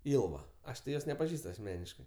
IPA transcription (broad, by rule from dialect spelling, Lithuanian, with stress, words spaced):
ˈɪlˠʋɐ ˈɐʃ tʲɪ ˈjoːs nʲɛpɐˈʒʲiːst ɐsʲˈmʲæːnʲɪʃkɜ